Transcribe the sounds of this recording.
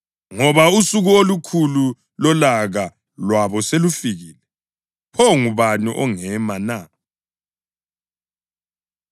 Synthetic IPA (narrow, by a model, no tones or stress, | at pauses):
ŋɔβausuɣuolukʰulu | lɔlaɣa | lwaβɔselufiɣiːlɛ | pʰɔŋuβaniʔɔŋɛmana